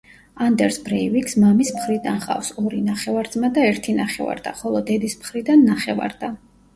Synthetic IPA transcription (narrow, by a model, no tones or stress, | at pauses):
and̪ɛɾsbɾɛiviksmamismχɾid̪anχa̰fsɔɾinaχɛvaɾd̪zmad̪aɛɾt̪ʰinaχɛ̰va̰ɾd̪̥a̰χɔlˠɔd̪ɛd̪ismχɾid̪anːaχɛva̰ɾd̪a